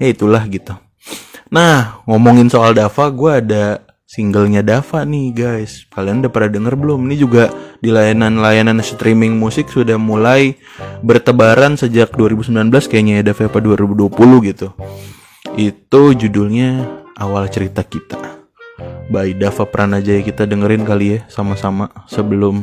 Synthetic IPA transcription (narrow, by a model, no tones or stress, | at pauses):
jait̪ulahɡit̪u | nahŋɔmɔŋɪnsoaldafaɡuaːda | siŋɡəlɲadafaʔnɪhɡajskaliandapəɾadəŋərbəlʊmnid͡ʒuɡadilajananlajananst̪ɾimɪŋmusɪksudahmulaj | bərt̪əbaɾansəd͡ʒak̚duaɾibusəmbilanbəlaskajaʔɲajadafaapaduaɾibuduapuluhɡit̪u | it̪ud͡ʒudʊlɲaawalt͡ʃəɾit̪akit̪a | baidafapəɾʔanad͡ʒajakit̪adəŋəɾɪnkalijasamasamasəbəlʊm